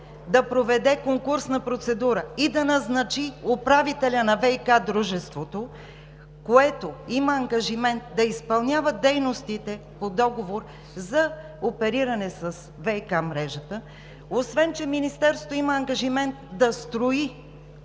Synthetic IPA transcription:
d̪ɐpɾovɛd̪ɛkoŋkuɾsnɐpɾot̪sɛd̪uɾəid̪ɐnɐznɐt͡ʃiopɾavit̪ɛlʲɐnɐvɛikad̪ɾuʒɛst̪vot̪o | koɛt̪oiməɐŋɡɐʒimɛnt̪̚d̪ɐispɐlˠnʲavəd̪ɛjnost̪it̪ɛpod̪ɔɡovoɾ | zɐ | opɛɾiɾɐnɛsəs | vɛikamɾɛʒət̪ə | osvɛnt͡ʃɛminist̪ɛɾso̥t̪oiməːŋɡɐʒimɛnt̪d̪ɐst̪ɾoi

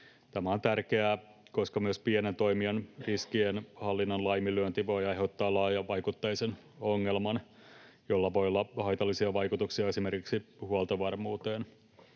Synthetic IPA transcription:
t̪æmæo̞nt̪ærkeæ | ko̞skɑmyøspienent̪o̞imiɑnriskienhɑlːinːɑnlɑjmilyønt̪iʋo̞jɑjɦot̪ːɑːlɑːjɑʋɑjkut̪ːɑjisen | oŋːelmɑn | jolːɑʋo̞jolːɑhɑjt̪ɑlːisiɑʋɑjkut̪uksiɑe̞sime̞rkiksihuɑlt̪ɑʋɑrmuːt̪eːn

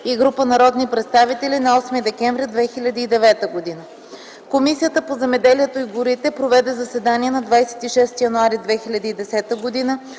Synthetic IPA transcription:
iɡɾupənɐɾɔd̪nipɾɛt̪st̪avit̪ɛlʲinɐɔsmid̪ɛkɛɱvɾid̪vɛxilʲɐd̪iːd̪ɛvɛt̪əɡod̪inə | komisijət̪əpozɛmɛd̪ɛliɛt̪oiɡʊɾit̪ɛpɾovɛd̪ɛzɐsɛd̪aniɛnɐd̪vajsɛ̥t̪iʃɛst̪ijɐnuaɾid̪vɛxilʲɐd̪iːd̪ɛsɛt̪əɡod̪inə

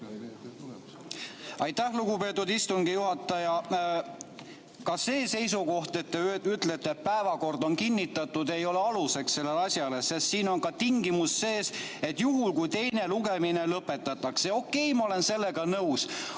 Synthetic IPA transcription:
ɑjt̪ːæhluɡupe̞ːt̪ːˑud̪ist̪uŋɡijuɦɑt̪ˑːɑjɑ | kɑse̞ːse̞jsuko̞ht̪e̞t̪ːeyt̪let̪ˑːeːt̪̚pæevɑko̞rd̪o̞nkinʲːit̪ːˑɑt̪ːˑud̪e̞jo̞leɑluse̞ksse̞lːe̞lɑsʲjɑlesest̪siːno̞nkɑt̪iŋɡimusːe̞ːse̞t̪juɦulkujt̪e̞jne̞luɡe̞mine̞lɤpːˑe̞t̪ːˑɑt̪ːˑɑkseo̞kːˑe̞jmɑo̞le̞nse̞lːe̞ɡɑnɤws

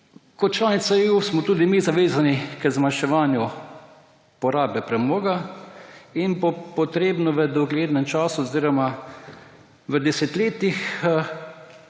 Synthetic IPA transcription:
kɔt̪̚t͡ʃlaːnit̪saeusmɔt̪uːd̪imizaʋeːzanikəzmanʃɛʋaːnju | pɔɾaːbɛpɾɛmoːɡa | inbɔpɔt̪ɾeːbnɔʋəd̪ɔɡleːd̪nɛmt͡ʃaːsuɔziːɾɔma | ʋəd̪ɛset̪leːt̪ix

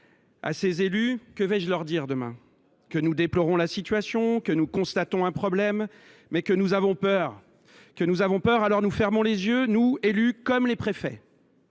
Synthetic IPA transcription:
a̰sezelykəvɛʒlœʁd̪iʁd̪əmɛ̰̃ | kənud̪eplɔʁɔ̃lasit̪ɥasjɔ̃kənukɔ̃st̪at̪ɔ̃ɛ̃pχɔblɛmː | ɛkənuzavɔ̃pœʁ | kənuzavɔ̃pœʁalɔʁnufɛʁmɔ̃lezjønuelykɔmlepχefɛ̰

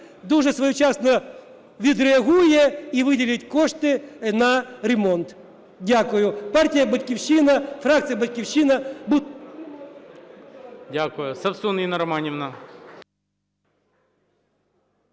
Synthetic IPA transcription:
d̪uʐɛsʋɐjut͡ɕasnɐ | ʋʲɪd̪ɾɪɐɣujɛiʋɨdʲɪlʲɪtʲkoʂt̪ɪnɐɾʲɪmont̪ | dʲakʊjʊpartʲɪjɐbɐtʲkʲɪfɕːinɐfɾak̚t̪sɨjɐbɐtʲkʲɪfɕːinɐbu | dʲakʊjʊsɐpsuninɐɾɐmanʲɪvnɐ

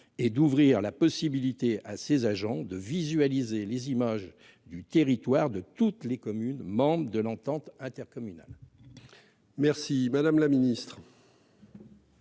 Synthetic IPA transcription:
ed̪uvʁiʁlapɔsibilit̪easezaʒɑ̃d̪əvizɥalizelezimaʒ | d̪yt̪eʁit̪waʁd̪ət̪ut̪lekɔmynmɑ̃bʁəd̪əlɑ̃t̪ɑ̃t̪ɛ̃t̪ɛʁkɔmyna̰l | mɛʁsimad̪amlaminist̪χ

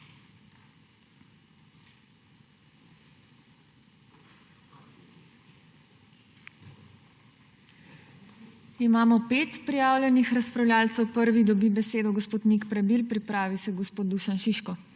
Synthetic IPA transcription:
imaːmɔpeːt̪pɾijaːwlʲjɛnixɾaspɾawlʲjaːlt̪sɛwpəɾʋid̪ɔbibɛseːd̪ɔɡɔspoːt̪nikpɾɛbilpɾipɾaːʋisɛɡɔspoːt̪d̪̚d̪uːʃanʃiʃkɔ

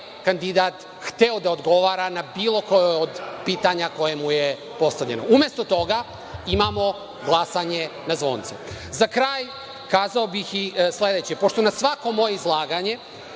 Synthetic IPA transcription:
kand̪id̪at̪ | xt̪eod̪aod̪ɡo̞ʋaːɾanabiːlˠo̞kojood̪piːt̪aɲako̞jemuje | po̞st̪aʋʎe̞no̞ume̞st̪o̞t̪o̞ɡa | imamo̞ | ɡlˠasaɲenazʋo̞̰ːnt̪sɛ̰ | zakɾaːj | kaːzaobixisle̞d̪et͡ɕepo̞ʃt̪o̞nasʋako̞mo̞je̞izlˠaːɡaɲe̞

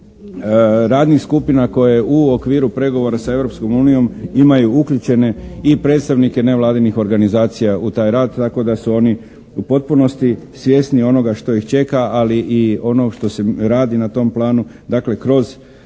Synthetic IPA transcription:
ɾaːd̪nixskupinako̞jeuokʋiːɾupɾe̞ɡo̞ʋo̞ɾasae̞ʋɾo̞psko̞muːnijo̞mimajuukʎut͡ʃe̞ne̞ipɾe̞t̪st̪aʋnike̞ne̞ʋlˠaːd̪inixo̞ɾɡanizaːt̪sijaut̪aːjɾaːd̪t̪ːako̞d̪asuo̞ni | upo̞t̪̚puno̞st̪isʋje̞ːsnio̞no̞ɡaʃt̪o̞ixt͡ʃe̞kaaliʔio̞no̞ʃt̪o̞seɾaːd̪inat̪o̞mplˠaːnud̪akle̞kɾo̞z

